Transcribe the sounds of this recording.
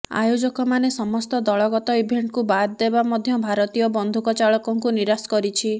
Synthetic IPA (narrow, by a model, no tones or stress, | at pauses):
a̰jod͡ʒɔkɔmanesɔmɔst̪ɔd̪ɔɭɔɡɔt̪ɔibʱeɳʈkubaɾd̪ebamɔd̪ʱjɔbʱaɾɔt̪ijɔbɔnd̪ʱukɔt͡ʃaɭɔkɔŋkuniɾaskɔɾit͡ʃʰi